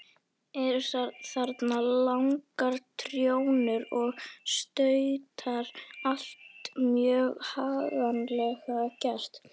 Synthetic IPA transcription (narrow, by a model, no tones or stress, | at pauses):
ɛɾsaθaɾt̪nalawŋkaɾ̥t̪ʰɾjownɪɾɔɣst̪œɥt̪ʰaɾal̥t̪mjœːɣhaːɣanlɛɣacɛst̪